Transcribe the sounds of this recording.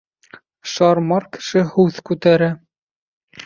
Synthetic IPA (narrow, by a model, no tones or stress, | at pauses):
ʃɑɾmɑɾkɘ̥̆ʃɘhʉðkʉt̪æɾæ